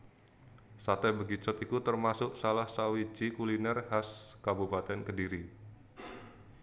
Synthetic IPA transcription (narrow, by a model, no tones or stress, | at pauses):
sat̪ɛbəɡit͡ʃɔt̪ikut̪ərmasʊk̚salahsawit͡ʃikulinɛrhaskabupat̪ɛnkədiɾi